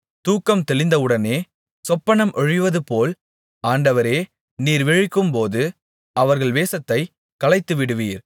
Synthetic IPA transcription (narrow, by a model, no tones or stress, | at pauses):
t̪uːkːɐmt̪ɛɭɪnd̪ɐɯɽɐneː | sɔpːɐnɐmʔɔɻɪʋɐðɯpoːl | aːɳɖɐʋɐɾeː | niːɾʋɛɻɪkːɯmpoːðɯ | ɐʋɐɾɣɐɭʋeːsɐt̪ːɐɪ | kɐlɐɪt̪ːɯʋɪɽɯʋiːɾ